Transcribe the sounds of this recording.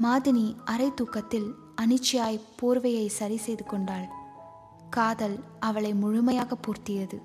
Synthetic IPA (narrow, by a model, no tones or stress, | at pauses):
maːðɪniʔɐɾɐɪt̪ːuːkːɐt̪ːɪl | ɐnɯt͡ʃːɪjaːjpoːɾʋɐjɐɪsɐɾisɛjðɯkɔɳɖaːɭ | kaːðɐl | ɐʋɐɭɐɪmʊɻʊmɐjaːɣɐpːuːɾt̪ɪjɐðɯ